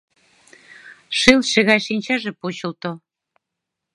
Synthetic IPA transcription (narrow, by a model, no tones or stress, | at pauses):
ʃelʃĕɣɑjʃinʲt͡ɕɑʒepot͡ɕə̆lt̪o